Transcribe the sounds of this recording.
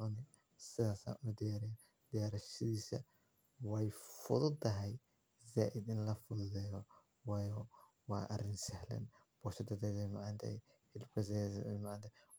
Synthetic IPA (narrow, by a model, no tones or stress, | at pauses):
ɔnɛ | sɪðaːsa̰ːnʊd̪ɪjaːɾɪja | d̪̥ɪjaːɾɐʃɐðiːsɐ̰ | wɛjfʊ̰ðʊt̪ːɐɦɛj | zaːʔɪd̪ɪnlɐfʊðʊðɛjɔ | wɑːjɔ | wɑ̰ːʔɐrɪnsɛhlɛ̰n | b̥ɔːʃɐd̪ɐd̪ɛðɛmaʕnt̪ʰɛ̰j | ħɪlbkʰɐzɛ̰maʕnt̪ʰɛ